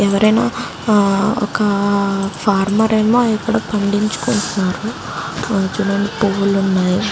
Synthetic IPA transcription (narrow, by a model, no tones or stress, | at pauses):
ɛʋɐɾɐjna̰ː | ɔ̰kɐpʰaːɾmɐɾɐjmoːjikːuɽaːpɐɳɖiɲt͡ʃu̥koɳʈunːaːɾu | d͡ʒunɐnipoʋːulunːaːji